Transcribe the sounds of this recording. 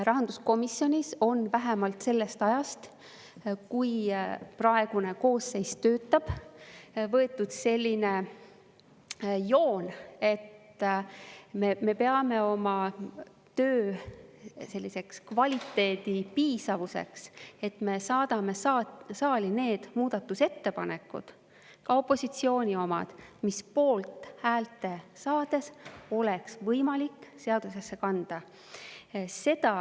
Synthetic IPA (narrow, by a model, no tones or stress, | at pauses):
rɑɦɑnd̪̥usko̞misjo̞nʲiso̞nvæɦɛmɑlt̪se̞lːe̞st̪ɑjɑst̪ | kujprɑe̞ɡ̥une̞ko̞ːse̞jst̪ø̞ːt̪ːˑɑb̥ | vɤ̞e̞t̪ːˑud̪̥se̞lʲːine̞ | jo̞ːne̞t̪ː | meme̞pe̞ɑme̞o̞mɑ | t̪øː | se̞lʲːise̞kskvɑlʲit̪ːe̞ːd̪ipiːsɑvuse̞̰kse̞t̪me̞sɑːd̪̥ɑme̞sɑːline̞ːd̪̥muːd̪̥ɑt̪ːˑuse̞t̪ːe̞pɑne̞kːˑṵd̪̥ | kɑo̞pːo̞sit̪sio̞ːnʲio̞mɑ̰d̪̥mispo̞ːlt̪ˑhæːlt̪ːˑe̞sɑːd̪̥e̞so̞leksvɤjmɑlikːse̞ɑd̪̥use̞sːe̞kɑnd̪̥ɑ | se̞d̪̥ɑ